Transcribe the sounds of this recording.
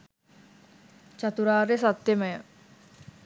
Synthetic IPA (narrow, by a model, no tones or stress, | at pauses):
t͡ɕat̪uɾaːɾesat̪jeməjə